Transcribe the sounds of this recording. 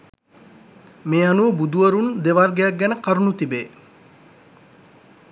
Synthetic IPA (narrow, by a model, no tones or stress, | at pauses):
meːanuʋəbud̪uʋəɾund̪eʋarɡejak̚ɡɛnəkaɾunut̪ibeː